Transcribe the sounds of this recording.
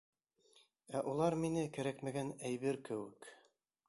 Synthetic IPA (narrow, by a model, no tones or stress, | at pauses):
æʔulˠɑɾminɘkæɾækmæɡænæjβɘɾkɘ̆wɘk